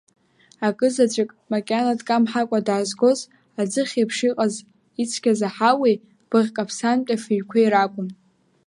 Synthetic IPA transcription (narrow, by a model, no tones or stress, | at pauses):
akʼɨzat͡ɕʷʼɪkʼmakʲʼanadkʼamħakʷʼadaːzɡʷo̞z | ad͡zɨχʲepʰʂiqʼaz | it͡sʷʰkʲazaħawe | b̥ɨʁʲkʼapʰsantʲʼafiɥkʷʰaiɾakʷʼʊm